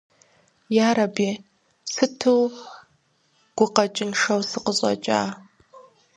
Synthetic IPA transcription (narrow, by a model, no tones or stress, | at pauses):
jaːɾɐbiː | sɨtʰɨw | ɡ̥ʷʊqɐt͡ʃʼɪnʂɐwsɨqəɕʼɐ̰t͡ʃʼa̰ː